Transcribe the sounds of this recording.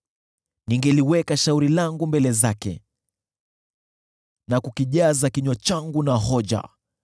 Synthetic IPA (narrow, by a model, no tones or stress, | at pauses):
niŋɡɛliwɛkaʃauɾilaŋɡumbɛlɛzakɛ̰ | nakukiʄazakiɲɔt͡ʃaŋɡunaɦɔʄa̰